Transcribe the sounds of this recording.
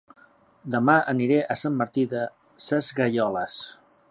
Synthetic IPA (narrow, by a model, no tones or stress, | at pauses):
d̪əmaʔəniɾɛʔəsamːəɾt̪iðə | səzɣəʎɔləs